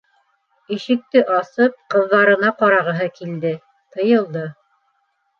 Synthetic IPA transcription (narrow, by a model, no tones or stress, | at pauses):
iʃɘ̆k̚t̪ɘʔɑsɤp̚qɤ̆ðːɑɾɤ̆nɑqɑɾɑʁɤ̆ɦɤkild̪ɘ | t̪ɤ̆jɤ̆lˠd̪ɤ